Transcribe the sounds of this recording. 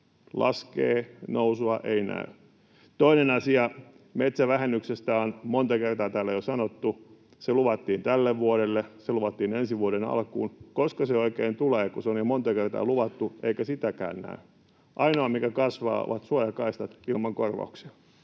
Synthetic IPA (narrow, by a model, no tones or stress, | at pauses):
lʔɑ̰skḛːnousuɑʔeinæ̰y | t̪oinenɑsiɑ | met̪sæʋæhenːyksest̪æonmont̪ɑkert̪ɑːt̪æːlːejosɑnot̪ːu | seluʋɑt̪ːiːnt̪ælːeʋʋuoɾelːeseluʋɑt̪ːiːnensiʋuoɾenɑ̰lkṵːnkoskɑseoikeːnt̪uleːkuseonjomont̪ɑkert̪ɑ̰ːluʋɑt̪ːuʔeikæsit̪ækæ̰ːnnæ̰y | ʔɑinoɑmikækɑsʋɑ̰ːo̰ʋɑt̪suojɑkɑist̪ɑt̪ilmɑŋkorʋɑ̰uksiɑ̥